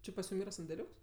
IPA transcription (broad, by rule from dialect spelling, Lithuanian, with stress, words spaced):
ˈt͡ʃʲɪ pɐsʲˈjʊm ˈiːrɐ sɐnʲdʲɛˈlʲuːks